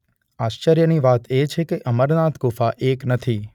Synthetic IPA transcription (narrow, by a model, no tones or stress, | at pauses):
aʃt͡ʃəɾjəniʋat̪et͡ʃʰekeʔəməɾnat̪kufaʔeknət̪ʰi